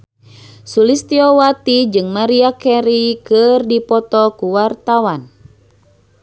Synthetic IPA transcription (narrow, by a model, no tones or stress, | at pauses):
sulist̪iɔwat̪id͡ʒɨŋmaɾiakɛɾikɨrdipɔt̪ɔkuwart̪awan